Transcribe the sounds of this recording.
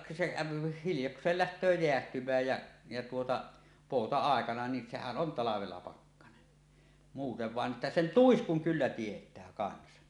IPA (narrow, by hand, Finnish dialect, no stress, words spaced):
se kæˑøpi hiljoksˑeːl læhtˑøː jeæhtymˑæːj jæ jæ tuotɑ poˑutɑɑˑekɑnɑ ni sehæn ʔon tɑlɑʋelːɑ pɑkːɑnen muːteʋ ʋɑˑen ʔetːæ sen tuiskuŋ kylːæ tietˑæː kɑnsɑ